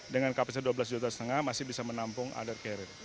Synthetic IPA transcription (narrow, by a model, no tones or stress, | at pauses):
dəŋankapəs̬aduabəlas̬d͡ʒut̪asət̪əŋahmasɪhbisamənampʊŋʔa̰dərkɛɾɪn